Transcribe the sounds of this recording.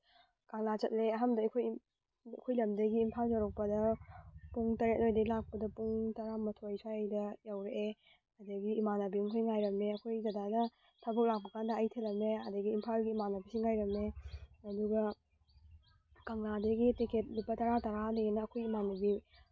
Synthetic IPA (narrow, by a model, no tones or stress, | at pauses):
kaŋlat͡ʃɐt̚leɐɦamdɐɐkʰoj | ɐ̰kʰojlɐmdɐɡiːmpʰalzawɾɐk̚pɐdɐpuŋtɐɾet̚lojdɐɡilak̚pɐdɐpuŋtɐɾamɐtʰojswajɐjdɐjawɾeʔe | ɐdɐɡiːmanɐbimukʰojŋajɾɐmeɐkʰojzɐdadɐ | tʰɐbɐk̚lak̚pɐkʰandɐɐjtʰelɐmeɐdɐɡiːmpʰalɡiːmanɐbisiŋajɾɐmeɐduɡɐ | kɐŋladɐɡitikʰet̚lipːɐtɐɾataɾaneenɐːkʰojimanɐbi